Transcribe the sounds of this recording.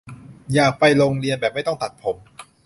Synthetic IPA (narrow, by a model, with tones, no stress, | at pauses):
jaː˨˩k̚pa˧jloː˧ŋɾi˧ənbɛː˨˩p̚ma˥˩jt̪ɔ˥˩ŋt̪a˨˩t̪̚pʰo˩˦m